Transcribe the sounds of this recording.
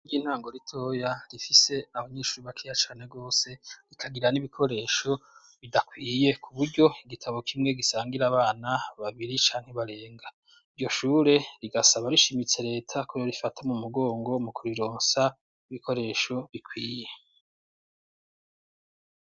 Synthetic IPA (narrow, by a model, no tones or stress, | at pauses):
ɡiːn̥haːŋɡo̞ɾitʰo̞ːjaɾifise̞aβaɲeːʃuɾuβakʰiːjat͡ʃaːne̞ɡo̞ːse̞ɾikʰaɡiɾaniβikʰo̞ɾe̞ʃo̞ | βidakwiːje̞kʰuβuɾɟo̞iɡitʰaβo̞kʰimŋe̞ɡisaːŋɡiɾaβaːnaβaβiɾit͡ʃaːŋ̥heβaɾe̞ːŋɡa | iɾjo̞ʃuːɾe̞ɾiɡasaβaɾiʃimit͡se̞ɾe̞ːtʰakʰoɾoɾifatʰamumuɡo̞ːŋɡo̞mukuɾiɾoːnsa | iβikʰo̞ɾe̞ːʃo̞βikwiːje